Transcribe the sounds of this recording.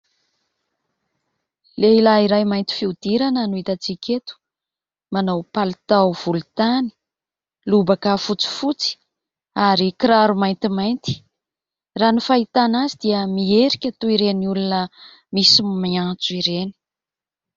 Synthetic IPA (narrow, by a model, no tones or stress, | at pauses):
leilaiɾajmajnt̪i̥fiud̪iɾanənuit̪at͡siket̪u̥ | manawpalut̪awv̥ulut̪ani̥ | lubakəfut͡si̥fut͡si̥ | aɾikɾaɾumajnt̪imajnt̪i̥ | ranifait̪anazid̪iəmieɾikʲat̪uiɾeniulunə | misimmiãt͡suiɾeni̥